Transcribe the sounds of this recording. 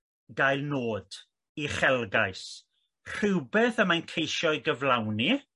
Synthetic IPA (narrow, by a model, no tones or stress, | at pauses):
ɡajlˠnoːd̥ | iχɛlˠɡajs | r̥ɪwbɛːθəmajnkʰejʃɔɨɡəvlˠawni